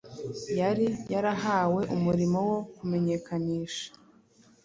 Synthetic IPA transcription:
jaɾijaɾaɦaːwe̞ʔumuɾimo̞wo̞kume̞ɲe̞kaɲiːʃḁ

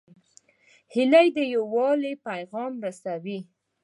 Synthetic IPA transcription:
hɪlajd̪əjawɑlepajɣɑmɾasawi

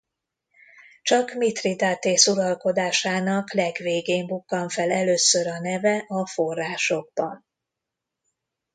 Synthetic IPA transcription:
t͡ʃɒkmit̪rid̪aːt̪eːsulɒlko̞d̪aːʃaːnɒklɛɡʋeːɡeːmbukːɒɱfɛlɛløːsøɾɒnɛvɛʔɒfo̞rːaːʃo̞ɡ̚bɒn

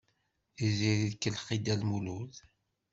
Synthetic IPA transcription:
iziɾiðkːəlχid̪ælmuluθ

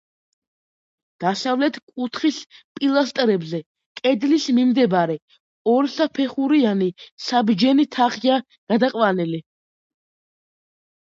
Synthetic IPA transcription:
d̪̥asavlɛt̪ʰkʼut̪ʰχispʼilˠast̪ʼɾɛbzɛ | kʼɛd̪lismimd̪ɛbaɾɛ | ɔɾsapʰɛχuɾianisabd͡ʒɛnit̪ʰaχia | ɡ̥ad̪aqʼwanɛli

